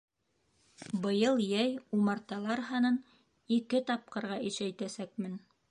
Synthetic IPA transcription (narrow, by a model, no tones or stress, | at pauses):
bɤ̆jɤlˠjæjumɑɾt̪ɑlˠɑɾɦɑnɤn | ikɘt̪ɑp̚qɤ̆ɾʁɑiʃæjt̪æsækmɘn